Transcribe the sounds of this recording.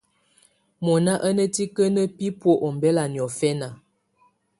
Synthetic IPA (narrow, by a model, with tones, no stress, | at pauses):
mɔ˨na˦ʔə˦nə˦ti˦kə˦nə˦pi˦pwo˦ʔo˨m˨bɛ˦la˨n˨ɔ˨fɛ˦na˨